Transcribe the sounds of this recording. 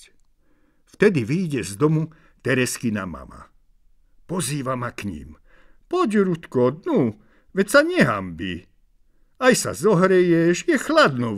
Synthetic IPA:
ft̪ɛd̪iʋiːɟɛzd̪ɔmu | t̪ɛɾɛskina̰ma̰ma̰ | pɔziːʋamakɲḭːm | pɔɟɾut̪kɔd̪nu | ʋɛcsaɲɛɦa̰mbḭ | ajsa̰zɔɦɾɛjɛʃjɛxlad̪nɔ

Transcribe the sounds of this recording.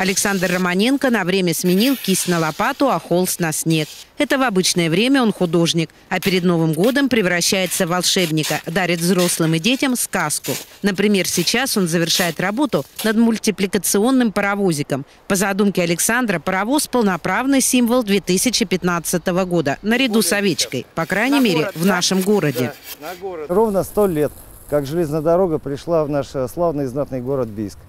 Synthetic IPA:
ɐlʲɪksand̪rːəmɐnʲe̞nkənɐvɾʲemʲəsmʲɪnʲilˠkʲisʲtʲnəlˠɐpat̪ʊɐxo̞lˠsnɐsʲnʲe̞k̚ɛt̪əvɐbɨt͡ɕnəjəvɾʲemʲəo̞nxʊd̪o̞ʐnʲɪk | ɐpʲɪɾʲɪd̪no̞vɨmɡo̞d̪əmpɾʲɪvɾɐɕːæjɪt̪səvɐlˠʂɛbnʲɪkəd̪aɾʲɪt̪vzɾo̞slˠɨmɨdʲetʲɪmskaskʊnəpɾʲɪmʲe̞rsʲɪt͡ɕaso̞nzəvʲɪrʂajɪt̪rɐbo̞t̪ʊnəd̪mʊlʲtʲɪplʲɪkət̪sɨo̞nːɨmpəɾɐvo̞zʲɪkəm | pəzɐd̪umkʲɪɐlʲɪksand̪ɾəpəɾɐvo̞spəlˠnɐpɾavnɨjsʲimvəlˠd̪vʲet̪ɨsʲɪt͡ɕɪpʲɪt̪nat̪sɨt̪əvəɡo̞d̪ənəɾʲɪd̪usɐvʲet͡ɕkəjpɐkɾajnʲɪmʲeɾʲɪvnaʂɨmɡo̞ɾədʲɪ | rovnəst̪olʲet̪̚ | kakʐɨlʲeznəəd̪ɐɾoɡəpɾʲɪʂlˠavnaʂslˠavnɨjznat̪̚nɨjɡoɾət̪̚bʲijsk

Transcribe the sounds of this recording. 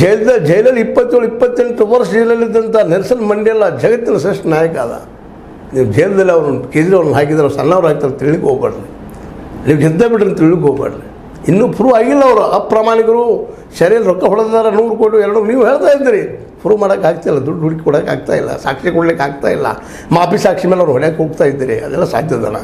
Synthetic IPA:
d͡ʒɐjld̪ɐd͡ʒɐjlɐlːipːɐt̪ːjeɭuipːɐt̪ːeɳʈuʋɐɾsd͡ʒɐjlɐlːid̪ːɐnt̪ɐnɛɾsɐnmɐɳɖiɐlːɐd͡ʒɐɡɐt̪ːinɐseʂʈɐnaːjɐkaːd̪ɐ̰ | niːʋud͡ʒɐjld̪ɐlːiɐʋɐɾkeːd͡ʒ̪ɾɐʋɾɐnɦaːk̬id̪aːɾosɐnːaːʋɾaːɡ̚t̪aːɾt̪iɭɭikːɦoːɡbaːɽɐli | niːʋɡɛd̪ebiʈːɐnt̪iɭːikɦoːɡba̰ːɽɐli | inːuːpʰuɾuːaːɡilːɐːʋɾuapːɾaːmaːnikɐɾuː | ʃɐɾjɐlɾɔkːɐɦɔɽd̪d̪aːɾɐnuːɾukoʈiɛɾɐɽuniːʋuɦeːɭt̪aːjid̪ːiːɾi | pʰuɾuːmaːɽɐkaːɡ̚t̪aːjilːɐd̪uɖɦuɽkikɔɽaːka̰ːɡt̪a̰ːjḭlːɐ̰sa̰ːkʂikɔɽɐlikːaːɡt̪a̰ːjilːɐ̰ | maːpisaːkʂimeːlɐʋɐɾɦɔɽjaːkeɦoːɡt̪aːjid̪ːiːɾiɐ̰d̪ɛ̰lːɐsa̰ːd̪jɐd̪a̰na̰

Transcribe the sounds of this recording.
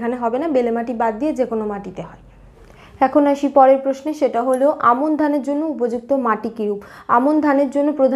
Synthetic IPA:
kʰaneɦɔbenabelemaʈibad̪d̪ied͡ʑekonomaʈit̪eɦɔe | ɛkʰonaʃipɔɾeɾpɾosneʃeʈaɦoleʔamond̪ʱaneɾd͡ʑonːoupod͡ʑuk̚t̪omaʈikeuba̰mond̪ʱaneɾd͡ʑonːopɾod̪ʱ

